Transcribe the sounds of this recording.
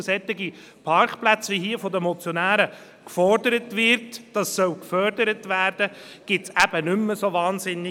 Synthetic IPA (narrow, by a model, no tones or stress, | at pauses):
sɛt̪ːɪɡi | pʰɑɾkplæt͡sʋiɦiːəfɔd̪əmɔt͡sjonæːɾə | kfɔrdəɾətvɪɾtd̥ɑsːœwlkfœɾdəɾətvæːɾd̥ə | ɡ̥ɪtsæb̥ənʏmːəsovɑːnsɪnːɪ